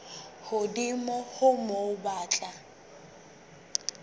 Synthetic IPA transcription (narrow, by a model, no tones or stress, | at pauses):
hʊdimɔhʊmoʊbaːt͡ɬʼa